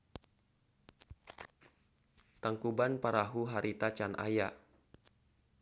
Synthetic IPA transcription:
t̪aŋkubanpaɾaɦuɦaɾit̪at͡ʃanʔa̰ja

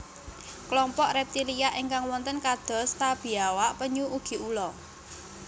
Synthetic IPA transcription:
klɔmpɔʔrɛp̚t̪ilijaʔiŋkaŋwɔnt̪ənkad̪̥ɔ̤st̪ab̥i̤awapəɲuuɡ̥i̤ʔulɔ

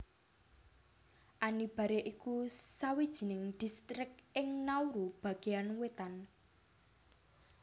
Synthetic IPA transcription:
ʔanib̥a̤ɾeʔikusawid̥ʒ̥i̤nɪŋd̪̥i̤st̪ɾɪkɪŋnauɾub̥a̤ɡ̥eanwet̪an

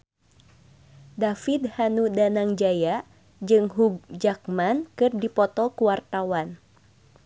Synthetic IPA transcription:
dafid̪hanudanaŋd͡ʒaja | d͡ʒɨŋɦuɡ̚d͡ʒak̚mankɨrdipɔt̪ɔkuwart̪awan

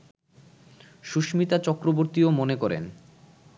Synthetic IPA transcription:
ʃuʃmit̪at͡ɕɔkɾoboɾt̪iomonekɔɾḛn

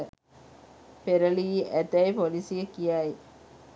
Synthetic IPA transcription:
peɾəliːæt̪æjpolisiəkijaj

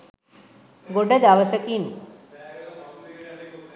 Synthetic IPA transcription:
ɡoɖəd̪aʋəsəkin

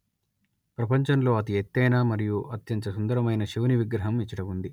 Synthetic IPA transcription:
pɾɐpɐɲt͡ʃɐnlo̞ːɐt̪iet̪ːɐjnaːmɐɾijuʔɐt̪jɐɲt͡ʃɐsund̪ɐɾɐmɐjnɐʃiʋɐniʋiɡɾɐɦɐmit͡ʃːɐɽɐmund̪i

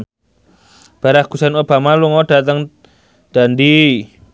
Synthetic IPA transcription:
b̥a̤ɾahɡ̥usanob̥a̤maluŋɔd̥a̤t̪əŋ | d̪̥a̤nd̪i

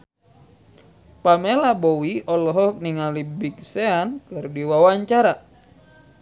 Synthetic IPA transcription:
pamelabɔwiɔlɔɦɔk̚niŋalibik̚seankɨrdiwawaɲt͡ʃaɾa

